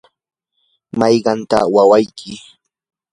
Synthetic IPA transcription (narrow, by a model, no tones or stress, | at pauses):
mɑjɢɑnt̪a̰wawajkʰɪ